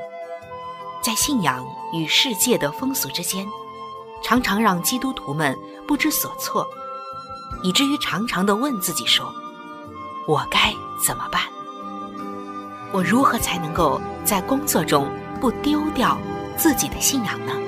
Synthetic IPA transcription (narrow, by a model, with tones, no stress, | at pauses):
t͡sa˥˧ɪɕi˥˩njɑ˨˩˦ŋ | y˨˩ʂɻ̩˥˧t͡ɕjɛ˥˩d̪ə˩fɤ˥ŋsu˧˥ʈ͡ʂɻ̩˥t͡ɕjɛ˥n | ʈ͡ʂʰɑ˧˥ŋʈ͡ʂʰɑ˧˥ŋɻɑ˥˩ŋt͡ɕi˥t̪u˥t̪ʰu˧˥mə˧n | pu˥˩ʈ͡ʂɻ̩˥swɔ˨˩t͡sʰwɔ˥˩ | i˨˩ʈ͡ʂɻ̩˥˩˧y˧˥ʈ͡ʂʰɑ˧˥ŋʈ͡ʂʰɑ˧˥ŋd̪ə˧wə˥˧nt͡sɹ̩˥˩t͡ɕi˨˩ʂwɔ˥ | wɔ˨˩ka˥ɪ | t͡sə˨˩nmə˦pa˥˩n | wɔ˨˩ɻu˧˥xɤ˧˥t͡sʰa˧˥ɪnɤ˧˥ŋko˥˧ʊt͡sa˥˩ɪkʊ˥ŋt͡sɔ˥˩ʈ͡ʂʊ˥ŋ | pu˥˩t̪jo˥ʊt̪jɑ˥˧ʊt͡sɹ̩˥˩t͡ɕi˨˩d̪ə˦ɕi˥˩njɑ˨˩ŋnə˦